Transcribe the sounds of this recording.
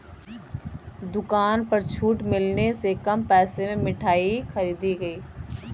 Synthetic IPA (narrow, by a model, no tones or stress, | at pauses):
d̪ʊkaːnpɐɾt͡ʃʰuːʈmɪlnesekɐmpɛːsemẽmɪʈʰaːixɐɾiːd̪iɡɐiː